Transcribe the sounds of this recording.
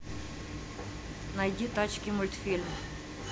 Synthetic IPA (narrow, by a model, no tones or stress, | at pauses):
nɐjd̪ʲit̪at͡ɕkʲimʊlʲt̪fʲilʲm